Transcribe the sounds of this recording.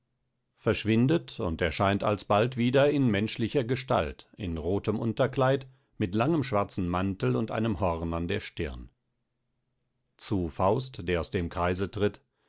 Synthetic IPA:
fɛɐʃv̥ɪndətʊ̰nteːɐʃaɪnta̰lsb̥altv̥iːdɐɪnmɛnʃlɪçɐɡəʃta̰ltɪnʁoːtəmʔʊntɐklaɪt | mɪtlaŋəmʃv̥aɐt͡sn̩mantl̩ʊntʔa̰ɪnəmhɔʁnandeːɐʃtɪɐn | t͡sufaʊstd̥eːɐaʊsd̥eːmkʁ̥aɪzətʁ̥ɪt

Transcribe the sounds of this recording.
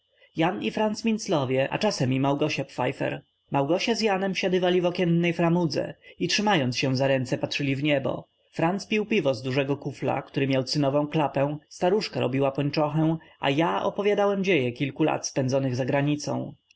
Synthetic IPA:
janifɾant̪smʲint̪slɔvʲjɛʔa̰t͡ʂasɛmimawɡɔɕapfa̰jfɛ̰ɾ | mawɡɔɕazjanɛmfɕad̪ɘvalʲivɔkʲɛnːɛjfɾamud̪zɛ̰itʂɘmajɔnt̪sɕɛw̃zaɾɛnt̪sɛpatʂɘlʲivɲɛbɔ̰ | fɾant̪spʲiwpʲivɔzd̪uʐɛɡɔkufla̰kt̪uɾɘmʲjawt̪sɘnɔvɔ̃w̃klapɛ̃w̃st̪aɾuʂkaɾɔ̰bʲiwapɔɲt͡ʂɔxɛwʔa̰jaɔ̰pɔvʲjad̪awɛmd͡ʑejɛkʲilkula̰t̪spɛnd̪zɔnɘɣzaɡɾaɲit̪sɔ̰̃w̃

